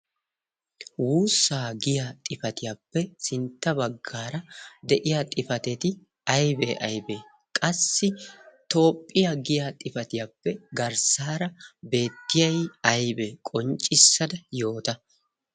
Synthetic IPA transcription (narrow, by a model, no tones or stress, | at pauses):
wuːsːaːɡɪjat̪ʼɪfɐt̪ɪjaːpːɛsɪnt̪ːɐbɐɡːaːɾɐd̪ɛʔɪjat̪ʼɪfɐt̪ɛt̪ɪ | ɐjbḛːʔɐjbeː | kʼɐsːɪt̪o̞ːpʼːɪjaɡɪjat̪ʼɪfɐt̪ɪjaːpːɛɡɐɾsaːɾɐbe̞ːt̪ːɪjɐjɐjbɛkʼɔnt͡ʃʼːɪsːɐd̪ɐjo̞ːt̪ɐ